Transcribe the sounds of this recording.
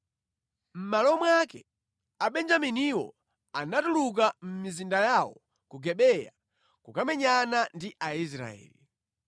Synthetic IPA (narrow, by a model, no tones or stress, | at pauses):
m̩malɔmwakɛ | aɓɛnd͡ʒaminiwɔ̰ | anatuluk̬am̩mizindajawɔ | kuɡɛɓɛja̰ | kukamɛɲanandiʔais̬ɾa̰ɛ̰ːli